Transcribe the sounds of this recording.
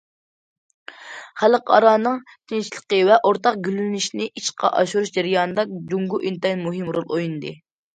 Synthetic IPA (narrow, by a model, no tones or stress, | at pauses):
χæləqɑ̰ɾɑːnɨŋ | k̪ʲʰint͡ʃʰilˠə̥qəvɛʔoɾt̪ɑqɡʲylylnɪʃnɪʔit͡ʃqʰɑ̰ʔɑ̰ʃuɾuʃd͡ʒɛɾɨjɑːnɨd̪ɑkd͡ʒuŋɡuʔint̪ɑinmuɦɨmɾolˠojunɨd̪ɨ